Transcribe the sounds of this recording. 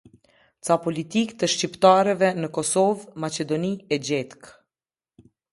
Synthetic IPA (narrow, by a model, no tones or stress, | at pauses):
t͡sapɔlit̪ikt̪əʃcipt̪aɾɛvɛnəkɔsɔvmat͡ɕɛd̪ɔniɛd͡ʑɛt̪k